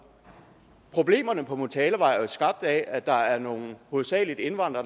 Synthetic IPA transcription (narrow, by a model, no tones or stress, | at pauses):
pʰʁo̝b̥le̝̰ːmɐnəpʰɒ̽mut͡sʰɛːləʋɑ̈ɪ̰sɡ̥ɑ̈b̥̚d̥ɛæd̥ɑ̈æɐno̝ːn̩ho̝ð̩ˠsɛ̰ːlid̥e̝nʋɑ̈n̰d̥ʁɐ